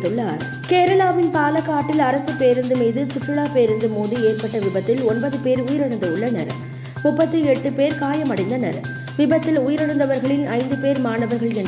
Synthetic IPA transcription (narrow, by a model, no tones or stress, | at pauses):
pɪɭːaːnɐ | keːɾɐlaːʋɪnpaːlɐkːaːʈːɪlɐɾɐsɯpeːɾɯnd̪ɯmiːðɯsɪfɯɭaːpeːɾɯnd̪ɯmoːðɯeːɾpɐʈːɐʋɪbɐt̪ːɪlɔnbɐðɯpeːɾʊjɪɾɐɽɯnd̪ɐʊɭːɐnɐɾɐ̰ | mʊpːɐt̪ːɯɛʈːɯpeːɾkaːjɐmɐɽɐɪnd̪ɐnɐɾɐ̰ | ʋɪbɐt̪ːɪlʊjɪɾɐɽɐnd̪ɐʋɐɾɣɐɭɪnʔɐɪnd̪ɯpeːɾmaːnɐʋɐɾɣɐɭɛn